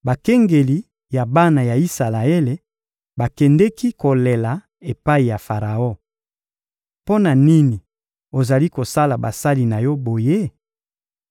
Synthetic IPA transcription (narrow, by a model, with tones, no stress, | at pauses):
ba˨kɛ˦ŋɡe˨li˨ | ja˨ba˦na˨ja˨i˦sa˨la˨e˦le˨ | ba˨kɛ˨ndɛ˦ki˦ko˨le˨la˨ | e˨pa˦i˨ja˨fa˨ʁa˨o˦˨ | po˦na˨ni˦ni˨ | o˨za˨li˦ko˨sa˦la˨ba̰˨sa˦li˨na˨jɔ˦bo˨je˦